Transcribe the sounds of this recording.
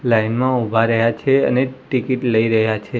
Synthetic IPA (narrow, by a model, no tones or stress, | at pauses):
lainmãubʱaɾəɦjat͡ʃʰeə̰neʈikiʈləiɾəɦjat͡ʃʰe